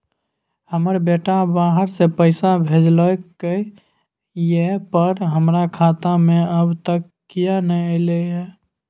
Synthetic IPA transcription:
həməɾbeʈabaːɦəɾsepəɪsabʱed͡ʒləke | jepəɾɦəmɾakʰaːt̪amẽəbt̪əkːijanəəɪleɛ

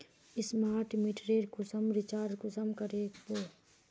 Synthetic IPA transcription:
ɪsmaːɾʈmiʈɾeːɾkʊsəmɾɪt͡ʃaːɾɖkʊsəmkəɾeːkboː

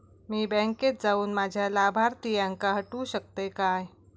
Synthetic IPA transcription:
miːbɛ̃ŋket̪̚d͡zauːnmad͡ʑʱjalabʱaɾt̪ijãŋkaɦəʈũːɕək̚t̪ekaj

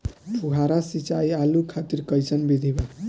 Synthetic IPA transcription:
pʰuɦaɾasit͡ʃaialukʰat̪iɾkəjsənbid̪ʱiba

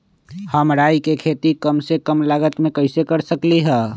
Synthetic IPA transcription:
həmɾaːikekʰeːt̪ikəmsekəmlaɡət̪mẽkəɪsekəɾsəkliɦɛː

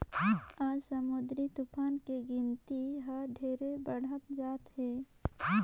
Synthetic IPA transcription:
aːd͡ʒsəmʊd̪ɾit̪upʰaːnkeɡɪnt̪iɦəɖʱeːɾebəɽ̤ət̪d͡ʒaːt̪ɦeː

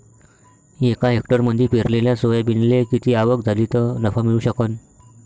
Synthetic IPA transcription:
ekaɦekʈəɾməd̪ʱiːpiɾleljasoʋjabinlekit̪iːaʋəkd͡zʱaliːt̪ənəfamiɭuːɕəkən

